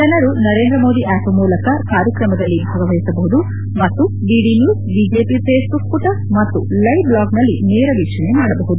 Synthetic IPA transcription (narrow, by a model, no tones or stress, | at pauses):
d͡ʒɐnɐɾunɐɾe̞ːnd̪ɾɐmo̞ːd̪iʔaːpɐmuːlɐkɐkaːɾjɐkɾɐmɐd̪ɐlːibʱaːɡɐʋɐjisɐbɐɦud̪u | mɐt̪ːu | ɖiːɖinjuːsbid͡ʒeːpipʰeːsbuk̚puʈɐɾmɐt̪ːulɐjblaːɡnɐlːineːɾɐʋiʃɐnemaːɽɐbɐɦud̪u